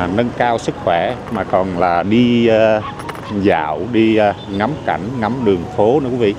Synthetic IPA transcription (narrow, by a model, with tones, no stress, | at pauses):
nə˧nkaː˧wsɨ˦˥k̚xwɛ˧˩maː˨˩kɔ˨˩nlaː˨˩ɗi˧ | za̰ː˧˨wɗi˧ | ŋa˨˦mka˧˩jŋ̟ŋa˨˦mɗɨ˨˩əŋfo˨˦nɨ˧˥˦kvḭ˧˨